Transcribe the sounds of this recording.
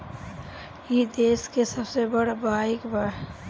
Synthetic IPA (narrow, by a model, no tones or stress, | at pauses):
jid̪eːskesəbsebəɽbaikba